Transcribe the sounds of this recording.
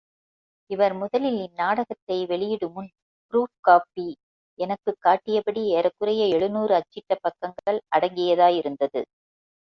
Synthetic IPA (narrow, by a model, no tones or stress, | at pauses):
ɪʋɐɾmʊðɐlɪlɪnnaːɽɐɣɐt̪ːɐɪʋɛɭɪjɪɽɯmɯn | pɾuːfkaːpi | ɛnɐkːɯkːaːʈːɪjɐpɐɽieːɾɐkːɯrɐjɐɛɭɯnuːɾɯɐt͡ʃːɪʈːɐpːɐkːɐŋɡɐɭʔɐɽɐŋɡɪjɐðaːjɪɾɯnd̪ɐðɯ̰